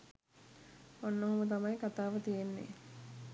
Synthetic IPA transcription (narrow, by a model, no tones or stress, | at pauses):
onːoɦomət̪̬amajkat̪aːʋət̪ijenːḛ